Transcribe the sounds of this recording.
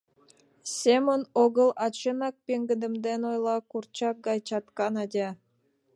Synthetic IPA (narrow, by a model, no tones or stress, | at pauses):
sʲemonoɡɤlˠɑt͡ɕɤnɑk̚pʲeŋɡɘ̆d̪ɘ̆md̪enojlˠɑkurt͡ɕɑk̚ɡɑjt͡ɕɑt̪kɑnɑd̪ʲɑ